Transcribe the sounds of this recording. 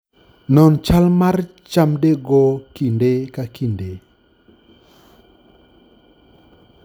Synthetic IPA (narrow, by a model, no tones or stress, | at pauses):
nɔnt͡ʃalmart͡ʃamdeɡɔkindekakinde